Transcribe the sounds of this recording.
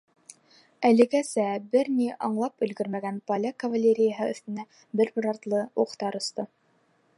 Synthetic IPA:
ælɘ̆ɡæsæbɘɾniʔɑɴlˠɑpɵ̆lɡɵɾmæɡænpɐlʲakɐvalʲeɾʲɪjaɦɤɵ̆θt̪ɘ̆næ | bɘɾbɘ̆ɾɑɾt̪lˠɤuqt̪ɑɾŏst̪ɤ

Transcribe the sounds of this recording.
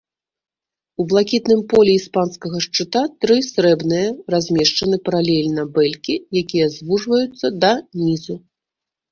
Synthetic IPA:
ublˠakʲit̪nɨmpɔlʲɛispanskɐɣɐʂt͡ʂɨt̪at̪ɾɨsɾɛbnɨjɐrazʲmʲɛʂt͡ʂɐnɨpɐɾalʲɛlʲnɐbɛlʲkʲijakʲijɐzvuʐvɐjut̪sːɐd̪ɐnʲizu

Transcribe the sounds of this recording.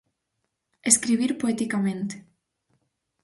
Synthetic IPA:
eskɾiβ̞iɾpoet̪ikamẽnt̪e̥

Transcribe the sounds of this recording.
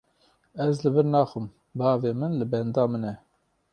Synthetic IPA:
ɛzlɨbɨɾnɑːxɨm | bɑːveːmɨnlɨbɛnd̪ɑːmɨnɛ

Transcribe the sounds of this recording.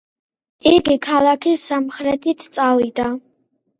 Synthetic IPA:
iɡikʰalˠakʰisamχɾɛt̪ʰit̪ʰt̪sʼavid̪a

